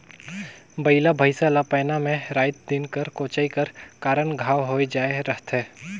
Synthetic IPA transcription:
bɐɪlabʱəɪsalapɛːnamẽɾaːɪt̪̚d̪ɪnkəɾkoːt͡ʃaːikɐɾkaːɾənɡʱaːwɦoːed͡ʒaːeɾɐɦt̪ʰɛː

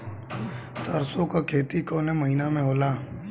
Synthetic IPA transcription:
səɾsõkakʰeːt̪ikoːneməɦinamẽɦoːlaː

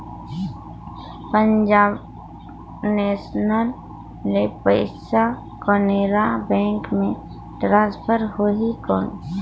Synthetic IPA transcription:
pə̃ɲd͡ʒaːb | neːsnəl | nepəɪsa | kɔneːɾabɛ̃ːŋkmẽ | ʈɾãːspʰəɾhoɦikɔːn

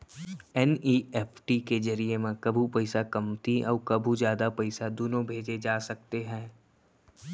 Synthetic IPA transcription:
ɛniːɛːpʰʈikezɐɾiemẽkɐbʱupɐɪsakɐmt̪iʔɔ̰ːɾkɐbʱuzjaːd̪apɐɪsad̪onõbʱeːd͡ʒed͡ʒaːsɐk̚t̪eɦɛ̃ː

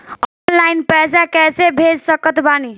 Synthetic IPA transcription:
ɔnlaɪnpɛsakɛsebʱed͡ʒsəkət̪bani

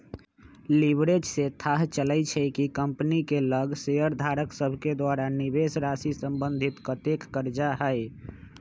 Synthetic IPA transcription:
libɾed͡ʒset̪ʰaɦt͡ʃəlɛt͡ʃʰɛkikəmpnikeləɡsejəɾd̪ʱaɾəksəbʱked̪aɾanibesɾasisəmbənd̪ʱit̪kət̪ekːəɾd͡ʒaɦəj

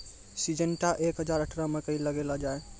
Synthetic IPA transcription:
sid͡ʒənʈaʔekɦəd͡ʒaɾəʈʰɾamekəiləɡelad͡ʒae

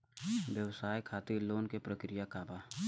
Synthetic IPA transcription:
ʋjəʋsaːjkʰaːt̪iloːnkepɾəkɾijakaːbaː

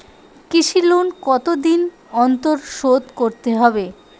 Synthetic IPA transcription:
kiʃilonkɔt̪od̪in | ɔnt̪oɾʃod̪koɾt̪eɦɔbe

